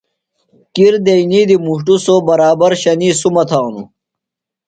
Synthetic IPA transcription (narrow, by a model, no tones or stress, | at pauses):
kiɾd̪einiːd̪imuʂʈusoːbɐɾaːbɐɾɕɐniːsumɐt̪ʰaːnṵ